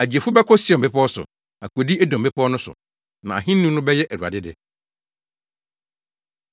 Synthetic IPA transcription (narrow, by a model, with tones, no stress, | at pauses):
æ˨d͡ʑi˨e˨fu˦bɛ˦kʰɔ˦si˦ɛ˨m̩˨pɪ˦pʰɔ˦sʊ̰˨ | a˨kʰu˨e˨di˦ɛ˦dõ˨m̩˨ɪ˦pʰɔː˦nʊ̃˦sʊ̰˨ | nã˨a̰˨ɦɪ̃˦n˦nũ˦nʊ̃˦bɛ˦jɛ˦ʔɛ˨ɾu˨a̰˨dɪ˦dɪ˨